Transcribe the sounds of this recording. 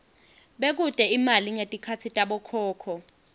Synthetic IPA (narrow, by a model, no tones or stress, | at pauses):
ɓek̬utʼɛimaliŋetʼikʰat͡sʰitʼaɓɔkʰɔːkʰɔ